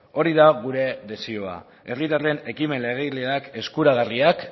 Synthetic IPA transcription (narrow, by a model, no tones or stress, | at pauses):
o̞ɾiðaɣ̞uɾe̞ðe̞sioa̰ | e̞rit̪are̞ne̞kime̞nle̞ɣ̞eleake̞skuɾaɣ̞ariak